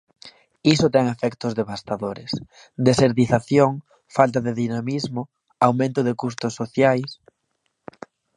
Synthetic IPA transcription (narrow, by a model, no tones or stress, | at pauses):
isʊt̪ɛŋefɛkt̪ʊzðeβast̪aðoɾes | d̪eseɾðiθaθjoŋ | falt̪̬aðeðinamizmʊ | awmẽnt̪ʊðekust̪ʊsːoθjajs